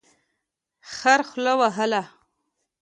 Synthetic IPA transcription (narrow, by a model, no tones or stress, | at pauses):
xaɾxlawaɦəla